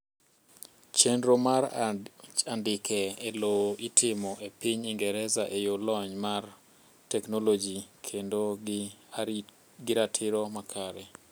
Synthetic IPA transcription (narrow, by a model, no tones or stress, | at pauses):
t͡ʃendɾomaɾ | andɪkʰɛeloitʰɪmɔʔepiɲiŋɡɛɾɛzaʔejolɔɲmar | tɛknolod͡ʒikʰendo | ɡɪɾatʰɪɾɔmakʰaɾɛ